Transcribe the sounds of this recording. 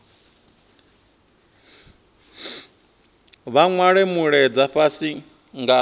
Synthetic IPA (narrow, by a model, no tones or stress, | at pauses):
βaŋwaɺɛmuɺɛd͡zaɸasi | ŋɡa